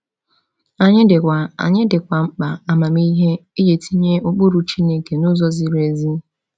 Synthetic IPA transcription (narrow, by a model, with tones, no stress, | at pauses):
a˦˨ɲɪ˦dɪ˨kʷa˨a̰˨ɲɪ˦dɪ˨kʷa˨ŋ͡m̩˦k͡pa˨a˨ma˨mi˦ɦe˦i˦je˨tʰi˦ɲe˦o˦k͡po˦ɾu˨t͡ʃi˦ne˨ke˨nʊ˦zɔ˦zi˦ɾe˨zi˦